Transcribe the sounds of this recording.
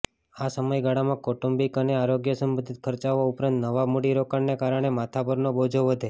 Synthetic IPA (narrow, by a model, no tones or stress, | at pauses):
asəməjɡaɽamãkɔʈumbikəneaɾoɡjəsəmbə̃nd̪ʱit̪̚kʰəɾt͡ʃaʋːaupɾãnt̪nəʋamuɽiɾokaɳnekaɾəɽ̃emat̪ʰabəɾnobod͡ʒʱoʋəd̪ʱe